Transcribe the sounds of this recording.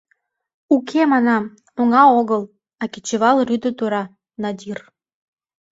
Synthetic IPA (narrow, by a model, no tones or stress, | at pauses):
ukʰemɑnɑm | oŋɑoɣəl | ɑkit͡ɕəβɑlryd̪ət̪uɾɑ | nɑd̪ʲir